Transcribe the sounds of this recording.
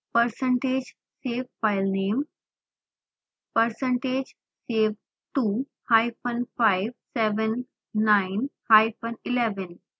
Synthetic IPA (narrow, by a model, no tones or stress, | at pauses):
pəɾsəɳʈeːd͡ʒ | seʋfajlneːm | pəɾsə̃ɳʈed͡ʒ | seʋ | ʈu | hajfənfaɪʋsɛʋənː | aɪnhajfənilɛʋən